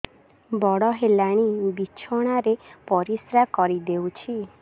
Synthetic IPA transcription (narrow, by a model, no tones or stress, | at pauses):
bɔɽɔɦelaɽ̃ibit͡ʃʰɔɽ̃aɾepɔɾisɾakɔɾid̪ewt͡ʃʰi